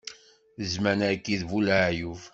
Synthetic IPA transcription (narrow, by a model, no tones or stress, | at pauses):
əzmænækːiðvulaʕjuv